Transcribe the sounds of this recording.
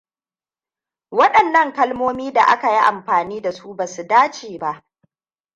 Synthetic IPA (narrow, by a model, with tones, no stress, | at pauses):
wɐ˦ɗɐ˨nːɐ˦ŋkɐ˦lmoː˦miː˦da˨ʔa̰˦ka˨ji˦ʔa̰˨mɸaː˨niː˦da˨su˦baː˨su˨daː˦t͡ʃeː˨ba˦˨ʔ